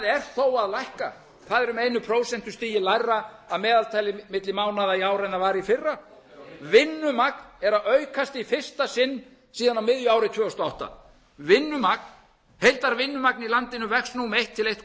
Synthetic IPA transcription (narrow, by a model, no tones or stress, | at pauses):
ðɛɾ̥θowaðlajhka̰ | θaðɛɾʏmejnʏpʰɾoːwsɛn̥t̪ʏ̥st̪iːjɪlajrːaːðmɛːðalt̪ʰajlɪmɪt̪lɪmaːwnaðaiaːwɾajnavaːɾifɪrːa | vɪnːʏmaknɛɾaðœɥkʰast̪ifɪr̥st̪asɪnː | siːðanawmɪðjʏaːwɾɪt̪ʰvœːʏst̪ɔawht̪a̰ | vɪnːʏmak̚n | hejlt̪aɾvɪnːʏmaknilant̪ɪnʏvɛksnumejht̪ʰːɪlejht̪